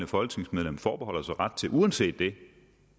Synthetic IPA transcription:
nəfɒ̽lɡ̥ne̝ŋsmeð̞ˠlemfɒːb̥e̝ɒ̽l̰ɐsɑ̈ʁad̥̚t͡sʰe̝ʔuænse̝̰ːd̥ːe̝

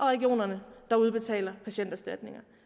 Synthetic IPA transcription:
ʔɒ̽ʁɛɡ̥io̝̰ːnɐnəd̥ɑ̈uð̞ˠb̥e̝t͡sʰɛ̰ːlɐpʰæɕen̰d̥æsd̥æd̥ne̝ŋɐ

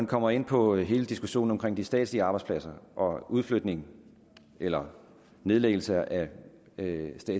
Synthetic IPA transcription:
ænkʰɒ̽m̰ɐe̝n̰pʰɒ̽ɦe̝ːləd̥isɡ̥uɕo̝̰ːn̩ɒ̽mkʰʁeŋ̰d̥isd̥ɛ̰ːd̥sliəɑ̈ːb̥ɑɪdspʰlæsɐʔɒ̽uðˠflød̥ne̝ŋ | elɐ | ne̝ð̞ˠleɡ̥l̩səʔæ | sd̥ɛ̰ː

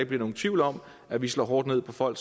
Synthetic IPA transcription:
ɡ̥̚b̥liɐno̝ːn̩t͡sʰʋiʊlɒ̽m | æʋislɔ̰ːɦɒːd̥ne̝ð̰ˠpʰɒ̽fɒ̽l̰ɡ̥

